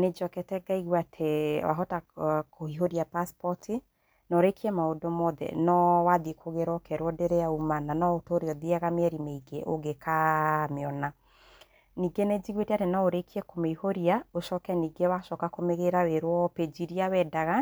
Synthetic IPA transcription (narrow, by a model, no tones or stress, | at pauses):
ned͡ʒɔkɛtɛɡaiɣwatʰewa̰ɦɔtakohiɦoɾiapaspɔtʰi | nɔɾekiɛmaodomɔðɛ̰nɔwaðikʰoɣeɾwɔkɛɾwɔdeɾejaumananɔotoɾeɔðiɛɣameɛɾimeiɡeʔo̰ɡekameɔna | niɡened͡ʒiɣweteatenɔoɾekiɛkomeihoɾiaoʃɔkɛniːɡewaʃɔkakomeɣeɾaweɾwɔped͡ʒiɾiawɛdaɣa